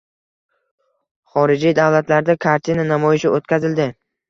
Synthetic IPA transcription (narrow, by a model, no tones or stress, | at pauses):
χɒɾɪd͡ʒijd̪avlat̪laɾd̪akʰaɾt̪ʰinanamɒjɪʃɪot̪̚kʲʰazɪld̪ɪ